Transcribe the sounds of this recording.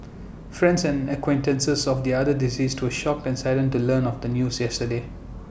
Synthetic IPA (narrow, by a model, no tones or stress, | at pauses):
fɹɛ̃nsɛ̃nəkwẽntə̃nsəsɔfd̪iadədiziːstʰwəʃɔk̚tɛ̃nsaɪlə̃ntulənɔfd̪ənjuːsjɛstəde